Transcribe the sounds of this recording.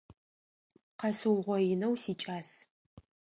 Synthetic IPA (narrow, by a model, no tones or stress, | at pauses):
qɐsɨwʁʷɔjɪnɐwsiːt͡ʃʼaːs